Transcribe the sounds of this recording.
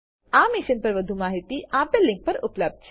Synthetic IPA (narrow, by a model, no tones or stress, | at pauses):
aːmɪʃənpɐɾʋəd̪ʱumaːɦit̪iʔãːpelːɪ̃ŋk̚pɐɾʊpləb̚d̪̚t͡ʃʰ